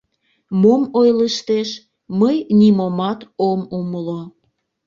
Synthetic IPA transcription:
momojləʃt̪eʃ | məjnimomɑt̪omuməlo

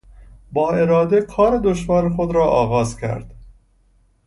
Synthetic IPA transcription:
bɒːe̞ɾɒːd̪ekʰɒːɾe̞d̪oʃvɒːɾexod̪ɾɒːʔɒːɣɒːzcʰæ̰ɾd̪̥

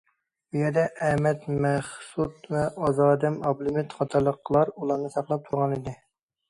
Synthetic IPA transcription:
ujɛɾd̪ɛʔɛmɛt̪mɛχsut̪vɛʔɑzɑːd̪ɛmɑblumɪt̪χɑt̪ʰɑɾlˠəqʰːlˠɑɾulˠɑɾnɨsɑχlˠɑp̚t̪ʰuɾʁɑnid̪ɪ

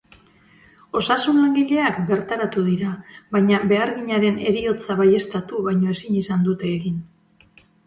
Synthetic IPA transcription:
o̞sasunlaŋɡiʎe̞akbe̞ɾt̪aɾat̪uðiɾaβajɲaβe̞aɾɣiɲaɾe̞ne̞ɾio̞t͡saβaje̞st̪at̪uβajɲo̞e̞sinisand̪ut̪e̞ːɣin

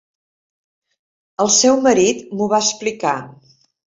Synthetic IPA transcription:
əlˠsɛwməɾit̪muβaəsplika

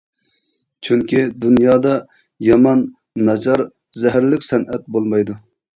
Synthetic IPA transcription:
t͡ʃʰyŋkʲid̪unjɑːd̪ɑ | jɑmɑnː | ɑd͡ʒɑɾ | zɛɦæɾlɪkʲsɛnʔɛt̪̚bolˠmɑjd̪u

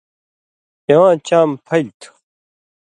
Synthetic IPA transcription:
ɐwãːt͡ɕaːmpʰɐlt̪ʰu̥

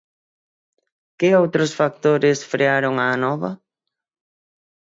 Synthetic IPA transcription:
kɪowt̪ɾʊsfak̚t̪oɾɪsfɾeaɾoŋaːnɔβɐ̰

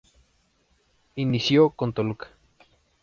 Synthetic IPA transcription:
inisjokont̪olukḁ

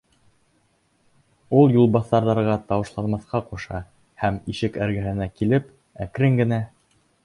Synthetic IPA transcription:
ulˠjulˠbɑθːɑɾðɑɾʁɑt̪ɑwɤ̆ʃlˠɑnmɑθqɑquʃɑ̰ | hæmiʃɘkæɾɡæɦɘ̆nækilɘp | ækɾɘŋɡɘ̆næ

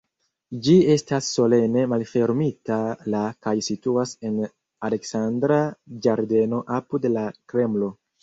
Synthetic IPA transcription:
d͡ʒie̞stasːo̞le̞ne̞malfe̞ɾmitalakajsituase̞n | ale̞ksandɾad͡ʒaɾde̞no̞ʔapudlakɾe̞mlo̞

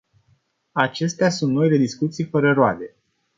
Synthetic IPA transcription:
at͡ʃe̞st̪easunt̪no̞jle̞d̪iskut̪sijfəɾəɾoa̰d̪e̞

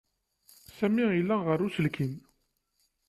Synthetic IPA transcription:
sæmiilːæʁəɾːusəlkʰin

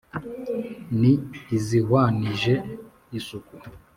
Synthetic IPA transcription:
niːzihwaniʒe | isuku

